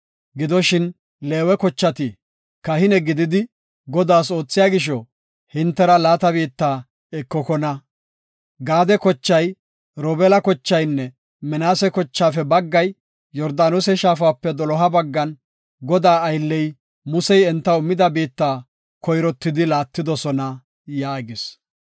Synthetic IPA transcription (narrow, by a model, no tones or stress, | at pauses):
ɡɪd̪ɔʃɪn | le̞ːwɛkɔt͡ʃːɐt̪ɪ | kɐhɪnɛɡɪd̪ɪd̪ɪ | ɡɔd̪aːs̬o̞ːt͡sːɪjaːɡɪʃ̬ɔ | hɪnt̪ːɛɾɐlaːt̪ɐbiːt̪ːaː | ɛkːɔkɔnɐ | ɡaːd̪ɛkɔt͡ʃːɐj | ɾɔbɛlɐkɔt͡ʃːɐjnːɛ | mɛnaːsɛkɔt͡ʃːaːfɛbɐɡːɐj | jɔɾd̪aːnosɛʃaːfaːpːɛd̪ɔlɔɦɐbɐɡːɐn | ɡɔd̪aːjlːɛj | mʊsɛjɛnt̪ːɐʊmːɪd̪ɐbiːt̪ːaː | kɔjɾɔt̪ːɪd̪ɪlaːt̪ːɪd̪ɔsɔnɐ | jaːɡɪs